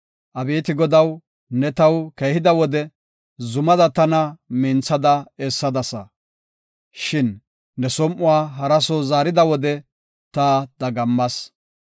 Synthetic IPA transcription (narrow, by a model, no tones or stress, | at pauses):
ʔɐbeːt̪ɪɡɔd̪ɐw | nɛt̪ɐwkɛjhɪd̪ɐwɔd̪ɛ | zʊmɐd̪ɐt̪ɐnɐmɪnt͡sɐd̪ɐɛsːɐd̪ɐsɐ | ʃɪnː | ɛsɔmʔʊwaːɦɐɾɐsɔwzaːɾɪd̪ɐwɔd̪ɛ | t̪ɐd̪ɐɡɐmːɐs